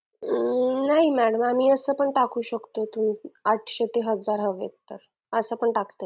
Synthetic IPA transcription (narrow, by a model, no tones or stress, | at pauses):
naɦimæɽəmamiːəsəːpəɳʈakuːɕəkt̪ot̪umaʈʰɕet̪eɦəd͡zaɾɦəʋḛt̪ːəɾ | əsəːpəɳʈakt̪ə